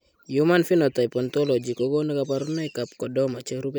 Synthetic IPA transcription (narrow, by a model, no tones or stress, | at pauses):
jumanfinɔt̪ajpɔnt̪ɔlɔd͡ʒikɔɡonekapaɾunajkap̚kɔdɔmat͡ʃeɾupɛ